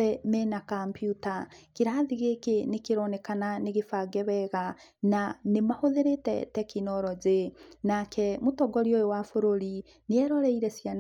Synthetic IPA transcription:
ɛmɛnakampjutakeɾaːðiɣekenekeɾɔnɛkananeɣefaɡɛβɛɣa | nanemahoðeɾetɛ̰tɛkinɔɾɔd͡ʑenakʰɛmotɔɡɔɾiojowafoɾoɾi | neɛɾɔɾɛiɾɛsjan

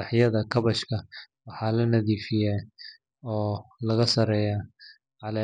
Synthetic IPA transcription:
ɑħjɐðɐkʰɐβɐʃkʰɐwɑħɑːlɐnɐðiːfɪjɛ | ɔːlɐɣɐsɐɾɛːja | ʕɑlɐ

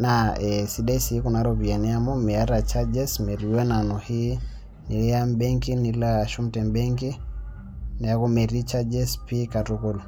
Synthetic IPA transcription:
naɛsiɗaisikunaɾɔbianiamɔmɛaɾat͡ʃad͡ʒɛsmɛɾiwɛnanɔhi | nilɛambɛŋkinilaʃumtɛmbɛŋki | naakɔmɛɾit͡ʃad͡ʒɛspikatukɔl

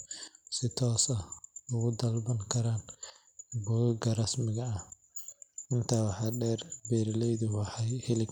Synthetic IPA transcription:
sɪt̪ʰɔːsɐʊɣʊd̪ɐlbɐŋkʰɐɾaːn | buːɡɐrɐsmɪɣɐɐ | ʔɪnt̪ʰaːwɑħɑːɖɛːrbɛːɾlɛjðʊwɑħɑjhɪlɪɡ

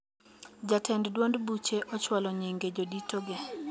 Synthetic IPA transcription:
d͡ʒatʰɛnddwondbut͡ʃeʔɔt͡ʃwalɔɲiŋɡed͡ʒoditoɡɪ

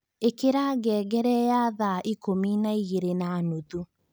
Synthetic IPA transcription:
ekeɾaːɣɛːɡɛɾɛjaðaʔikominaiɣeɾenanutu

